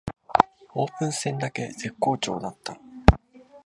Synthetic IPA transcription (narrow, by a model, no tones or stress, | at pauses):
o̞ːpɯ̟̃ɰ̃sẽ̞nd̪ake̞ze̞kːo̞ːt͡ɕo̞̰ːd̪at̪ːa